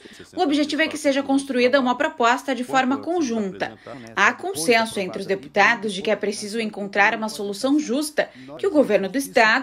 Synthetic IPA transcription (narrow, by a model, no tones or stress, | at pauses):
ʊobiʒet͡ʃivʊɛkɪseʒɐkõst̪ɾuid̪ɐũmɐpɾopɔst̪ɐd͡ʒɪfɔɾmɐkõʒũt̪ɐ̰akõsẽsʊẽnt̪ɾɪʊzd̪epu̥t̪ad̪ʊzd͡ʒɪkɪɛpɾesizʊẽŋkõnt̪ɾaɾũmɐsolusɐ̃w̃ʒust̪ɐ | kɪʊɡoveɾnʊd̪ʊɪst̪ad̪ʊ